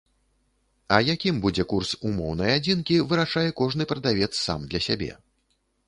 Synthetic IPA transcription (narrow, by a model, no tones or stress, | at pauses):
ɐjakʲimbud͡zʲɛkursumɔwnɐjad͡zʲinkʲivɨɾaʂajɛkɔʐnɨpɾɐd̪avʲɛt̪sːa̰md̪lʲɐsʲabʲɛ̰